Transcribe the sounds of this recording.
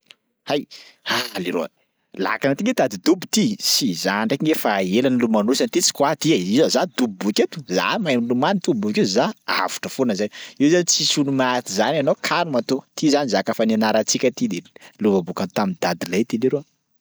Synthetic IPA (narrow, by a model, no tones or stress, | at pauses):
hajaliɾo̰ | la̰kanat̪iŋɡetd̪ad̪id̪ubit̪isizaɳɖ͡ʐekiŋefaelanilumanusanit̪it͡si̥kwat̪iaizazad̪ubibuket̪u̥za̰majmlumanit̪ubuakizaa̰vu̥ʈ͡ʂəfonəzaniwzanit͡sisunumat̪izananokʰanumat̪ot̪izanizakafananaɾat͡sikʲət̪id̪eluvabukant̪amind̪ad̪ilajt̪iliɾo